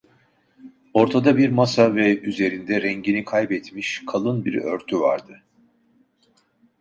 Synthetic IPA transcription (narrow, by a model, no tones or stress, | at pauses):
o̞ɾt̪ʰad̪abiɾmasavɛyze̞ɾind̪ɛɾɛɲɟinikʰajbɛt̪miʃkʰalˠɯnbiɾø̰ɾt̪ʰyva̰ɾd̪ɯ